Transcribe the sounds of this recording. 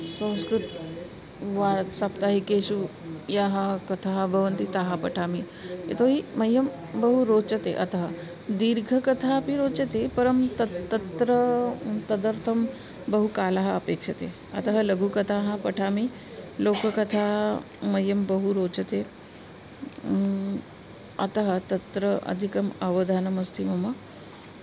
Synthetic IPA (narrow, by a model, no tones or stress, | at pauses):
sə̃w̃skɾut̪ | ʋat̪sapt̪aɦikeɕujaɦakɐt̪ʰaɦbʱəʋənt̪it̪aɦapɐʈʰami | ḛt̪oɦimɐjːəm | bəɦuɾot͡ʃɐt̪eʔɐ̰t̪ɦə | d̪iɾɡʱəkɐt̪ʰapiɾoːt͡ʃət̪epɐɾəmt̪ət̪ːət̪ɾət̪ɐd̪əɾt̪ʰəm | bəɦukalaɦɐɐpeːkʂɐt̪ḛ | ɐ̰t̪əɦɐlɐɡʱukɐt̪ʰaɦãpəʈʰami | loːkəkɐt̪ʰamɐjːəmbəɦuɾot͡ʃɐt̪e | ɐ̰t̪ɐɦɐt̪ɐt̪ɾəʔɐ̰d̪ʱikɐmɐʋəd̪ʱanɐmɐst̪ʰimɐmə